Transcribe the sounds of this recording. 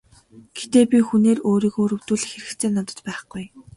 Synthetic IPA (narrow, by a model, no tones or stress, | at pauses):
ɡ̥et̪eːpʲixuneːɾoːɾiːkoːɾɵ̆wt̪uːɮ̆xeɾɘ̆ktt͡sʰeːnɔt̪ɞ̥̆t͡ɕpæːχɡ̥uj